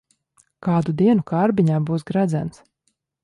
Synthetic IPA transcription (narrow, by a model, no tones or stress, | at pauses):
kaːd̪ud̪iɛnukaɾbiɲaːbuːsɡɾad̪zæ̰ns